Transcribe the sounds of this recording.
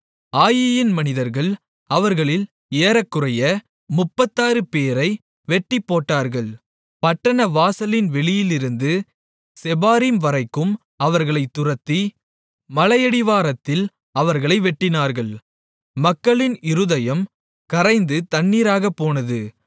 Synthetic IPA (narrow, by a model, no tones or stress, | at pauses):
aːjɪjɪnmɐnɪðɐɾɣɐɭ | ɐʋɐɾɣɐɭɪl | eːɾɐkːɯrɐjɐ | mʊpːɐt̪ːaːɾɯpeːɾɐɪ | ʋɛʈːɪpːoːʈːaːɾɣɐɭ | pɐʈːɐnɐʋaːsɐlɪnʋɛɭɪjɪlɪɾɯnd̪ɯ | sɛbaːɾimʋɐɾɐɪkːɯm | ɐʋɐɾɣɐɭɐɪt̪ːʊrɐt̪ːi | mɐlɐjɐɽɪʋaːɾɐt̪ːɪl | ɐʋɐɾɣɐɭɐɪʋɛʈːɪnaːɾɣɐɭ | mɐkːɐɭɪnɪɾɯðɐjɐm | kɐɾɐɪnd̪ɯt̪ɐɳːiːɾaːɣɐpːoːnɐðɯ